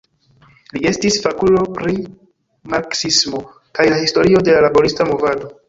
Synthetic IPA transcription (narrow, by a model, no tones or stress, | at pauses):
lie̞stisfakulo̞pɾi | maɾksismo̞ | kajlahisto̞ɾio̞de̞lalabo̞ɾistamo̞vado̞